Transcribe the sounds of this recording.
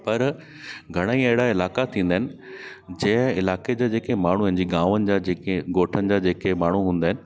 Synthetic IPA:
pɐɾ | ɡʱɐɽ̃aːiɐɦɪɽaɪlaːkat̪ʰĩːn̆d̪aːɦɪnɪ̆ | d͡ʑɐ̃ɦɪ̃ɪlaːked͡ʑaːd͡ʑeːkemaːɳ̤uə̃ɪ̃ɲd͡ʑiːɡãːʋənɪ̆d͡ʑaːd͡ʑeːkeɡoːʈʰənɪ̆d͡ʑaːd͡ʑeːkemaːɳ̤uɦũːnd̪aːɦɪnɪ̆

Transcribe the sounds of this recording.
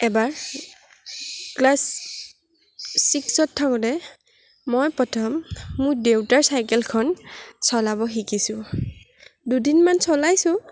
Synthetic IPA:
ɛbaɹ | klas | iksɔtʰːakɔdɛ | mɔjpɔtʰɔmːʊɹdewtaɹsajkɛlkʰɔnsɔlabɔxikisʊ | dudinmansɔlajsʊ̃

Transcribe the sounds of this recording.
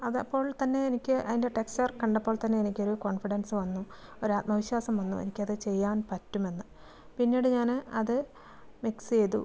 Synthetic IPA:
ɐðɐpːo̞ːɭt̪ɐnːe̞enikʲːɨʔɐðinde̞ʈeksɐrkɐɳɖɐpːo̞ːɭt̪ɐnːe̞enikʲːoɾuko̞ːɳfiɽɐnsɨʋɐnːuo̞ɾuaːt̪̚mɐʋiɕwaːsɐmʋɐnːṵḛnikʲːɐðɨt͡ɕe̞jːaːnpɐtːume̞nːɨ | pinːiːɽɨɲaːnɐðɨ | mikst͡ɕe̞jðṵ

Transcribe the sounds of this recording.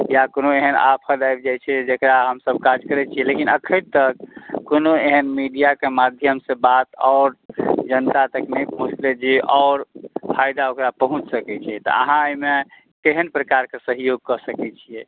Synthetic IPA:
jakonoeɦəna̰pʰəd̪ajbd͡ʒajt͡ʃʰɛd͡ʒekɾaɦəmsəb̚ʱkad͡ʒkəɾɛt͡ʃʰijɛlekinəkʰəɾt̪ək̚ːonoeɦənmiɖijakemad̪ʱjəmsebat̪ɔːɾd͡ʒənt̪at̪əknəjpəɦũt͡ʃled͡ʒeʔɔʊɾpʰajd̪aokɾapəɦũt͡ʃʰsəkɛt͡ʃʰit̪ɔ̰ə̰ɦãəime | keɦənpɾəkaɾkesəɦijoɡ̚kɔsəkɛt͡ʃʰijɛ

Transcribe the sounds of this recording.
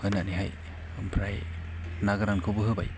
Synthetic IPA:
ɯnaniɦa̰j | ɯmpʰɾaj | naɡɾankʰobɯɦɯba̰j

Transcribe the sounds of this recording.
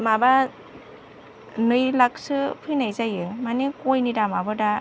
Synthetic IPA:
maba | nɯjlak̚sɯpʰɯjnajzajɯmanikɔjnidamabɯda

